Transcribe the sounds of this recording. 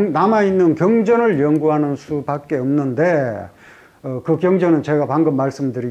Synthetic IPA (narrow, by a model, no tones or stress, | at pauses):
namainːɯnkjʌŋd͡ʑʌnɯɭjʌŋɡuɦanɯnsʰupak͈̚e̞ʌmnɯnde̞ | ʌkɯkjʌŋd͡ʑʌnɯnt͡ɕe̞ɡapaŋɡɯmːaɭs͈ɯmdɯɾi